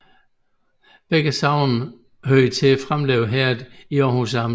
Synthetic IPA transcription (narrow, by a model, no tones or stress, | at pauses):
b̥eɡ̥əsɑ̈ʊ̰nn̩ | høɐit͡sʰe̝æfʁamlḛːʊɦeɐdiɒːhus̬ɑ̈m